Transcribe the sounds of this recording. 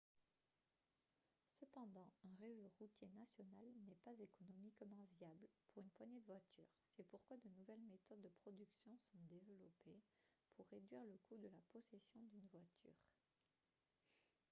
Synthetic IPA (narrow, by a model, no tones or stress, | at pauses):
səpɑ̃d̪ɑ̃ɛ̃ʁezoʁut̪jenasjɔnalnɛpazekɔnɔmikmɑ̃vjablpuʁynpwaɲɛd̪əvwat̪ʰy̰ʁsɛpuʁkwad̪ənuvɛlmet̪ɔd̪ːəpχɔd̪yksjɔ̃sɔ̃d̪evəlɔpepʰuʁːed̪ɥiʁləkud̪əlapɔsɛsjɔ̃d̪ynvwat̪ʰy̰ːʁ